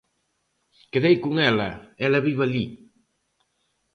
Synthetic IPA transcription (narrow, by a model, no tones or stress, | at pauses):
keðejkuŋɛlɐ̰ɛlɐβiβaʎi